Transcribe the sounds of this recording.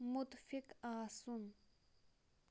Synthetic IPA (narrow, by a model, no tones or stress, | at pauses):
mʊt̪fɪkaːsʊn